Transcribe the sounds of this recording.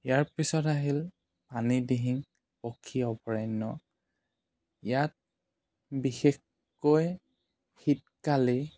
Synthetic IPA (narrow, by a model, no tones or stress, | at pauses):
ijaɹpisɔtaɦil | panidiɦiŋ | pɔkʰːiɔpɔɹajnɔ | ijat̚ | bixex | koj | xit̚kali